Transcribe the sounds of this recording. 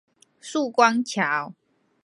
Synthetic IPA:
su˥˨kwa˦ŋt͡ɕʰja˨˦w

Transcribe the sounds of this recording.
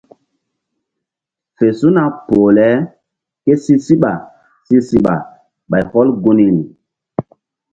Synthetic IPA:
fe˨su˦na˨po˨lɛ˨˦ | ke˦si˦si˦ɓa˨ | si˦si˦ɓa̰˨ | ɓa˨jhɔ˦lɡu˦ni˦ni˨

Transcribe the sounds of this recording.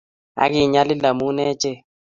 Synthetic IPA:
a̰˦ɡɪ˦˨ɲa˦lɪ˦la˨mu˦nɛ˦t͡ʃe˦˨

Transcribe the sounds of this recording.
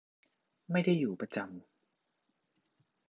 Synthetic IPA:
ma˥˩jda˥˩jːuː˨˩pa˧t͡ɕa˧m

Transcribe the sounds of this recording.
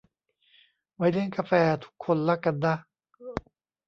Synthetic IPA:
wa˧jde˥˨nka˧fɛː˧t̪ʰu̥˦˥kʰːo˧˨nla˦ka˧˩d̪a˦˧

